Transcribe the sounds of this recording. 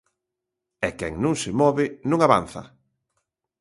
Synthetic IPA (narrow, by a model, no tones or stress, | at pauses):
ɛkɛŋnũŋsemɔβɪnũŋaβan̟θɐ̰